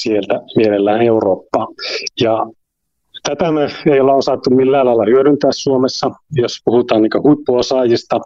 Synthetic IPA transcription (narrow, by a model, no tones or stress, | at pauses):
sielt̪æmielelːæːneuroːpːɑːjɑ | t̪æt̪æmøeioleosɑt̪ːummilːæːlɑilːɑhyøɾynt̪æːssuomesːɑjospuhut̪ɑːnniːŋkøhuipːuosɑːjist̪ɑ